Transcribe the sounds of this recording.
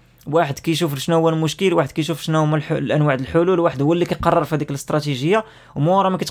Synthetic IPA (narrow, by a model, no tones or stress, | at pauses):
waħəd̪kæjʃ̬uflʃnæhwːælmʊʃkəlwaħəd̪̚kæjʃuflʃnæmællʔænwaʕd̪əlħʊlulwaħəd̪huwːælːikæjqɑrˤːɑɾˤfihæd̪ikləst̪ɾˤɑt̪iʒəjːa | wmuwɑɾˤɑmækæt̪